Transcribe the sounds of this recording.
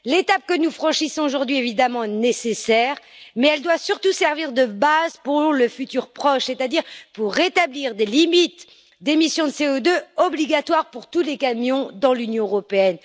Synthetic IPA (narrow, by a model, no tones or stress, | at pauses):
let̪ap̚kənufχɑ̃ʃisɔ̃oʒuʁd̪ɥievid̪amɑ̃ɛnesesɛʁ | mɛɛld̪wasyʁt̪usɛʁviʁd̪əbazpuʁʁləfyt̪yʁpχɔʃset̪ad̪iʁpuʁːet̪abliʁd̪elimit̪ | d̪emisjɔ̃d̪əseod̪øɔbliɡat̪waʁpuʁt̪ulekamjɔ̃d̪ɑ̃lynjɔ̃øʁɔpeɛn